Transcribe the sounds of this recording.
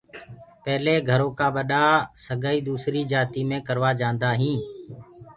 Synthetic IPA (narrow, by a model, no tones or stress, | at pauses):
pɛːleːɡʱəɾõːkaːɓəɗaːsəɠaːiːd̪uːsɾiːd͡ʒaːt̪iːmẽːkəɾʋaːd͡ʒãːnd̪aːɦĩː